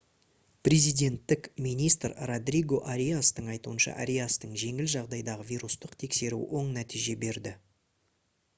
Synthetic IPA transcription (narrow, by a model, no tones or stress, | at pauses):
pɾʲezijd̪e̞nt̪ːɪkmijnijst̪rrod̪riɡo̞ʔaɾʲijast̪əɴɑjt̪uənʃɑ̰ʔa̰ɾʲijast̪əɴʒe̞ŋɪlʒɑʁd̪ɑjd̪ɑʁəvʲiɾust̪əqt̪ʰe̞kse̞ɾṵwo̞ɴnæt̪iʒe̞be̞ɾd̪ɪ